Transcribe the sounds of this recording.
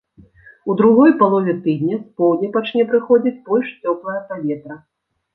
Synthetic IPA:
ud̪ɾuɣɔjpalˠɔvʲɛt̪ɨd̪ʲnʲɐspɔwd̪ʲnʲɐpat͡ʂnʲɛpɾɨxɔd͡zʲit͡sʲbɔlʲʂt͡sʲɔplˠɐjɐpavʲɛt̪ɾɐ

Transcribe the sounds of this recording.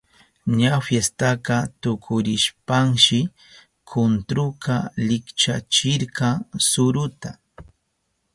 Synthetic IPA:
ɲafjest̪aqɑt̪ʊkʰʊɾɪʃpaŋʃɪ | kʰʊnt̪ɾʊqɑlɪkt͡ʃat͡ʃɪɾɢɑŋsʊɾʊt̪a

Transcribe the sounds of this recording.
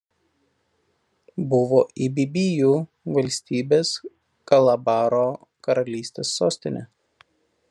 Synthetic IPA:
bʊʋoːʔibʲibʲijuː | ʋɐlʲsʲt̪ʲiːbʲeːs | kɐlˠɐbɑːɾoː | kɐɾɐlʲiːsʲt̪ʲeːsːoːsʲt̪ʲɪnʲɛ

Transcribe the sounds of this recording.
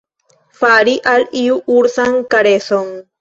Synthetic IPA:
faɾiʔaliuʔuɾsaŋkaɾesoŋ

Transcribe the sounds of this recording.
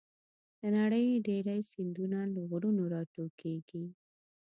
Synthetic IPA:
d̪̥ənaɽəjɖeɾajsɪnd̪unaləɣɾunoɾɑʈokeɡi

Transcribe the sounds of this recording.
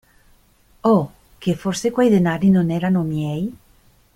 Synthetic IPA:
ɔ | kefoɾsekwajd̪enaɾinoneɾanomjɛj

